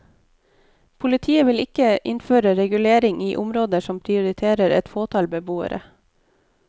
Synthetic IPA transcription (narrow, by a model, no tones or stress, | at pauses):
pʰʊlɪt̪ʰiːəʋɪlɪkəʔɪnføːɾəɾɛɡʉleːɾɪŋʔiːʔʊmɾoːd̪əʃɔmpʰɾɪʊɾɪt̪ʰeːɾəɾɛ̰t̪foːt̪ʰɑːlbəbuːə̰ɾʔə̰